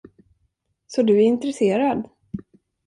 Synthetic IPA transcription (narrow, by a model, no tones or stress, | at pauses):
sɔd̪ɵæɾɪnt̪ɾɛseːɾad̪